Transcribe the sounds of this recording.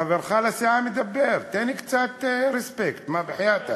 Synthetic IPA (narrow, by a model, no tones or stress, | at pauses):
avaɾxaːlasaʕamɪd̪abːɪɾt̪eːnik̪t͡saːt̪ɾɪspekt̪mabɪħajaːt̪a